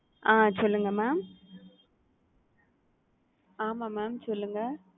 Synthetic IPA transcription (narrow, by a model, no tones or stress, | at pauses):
aːsɔlːɯŋɡɐmaːm | aːmaːmaːmsɔlːɯŋɡɐ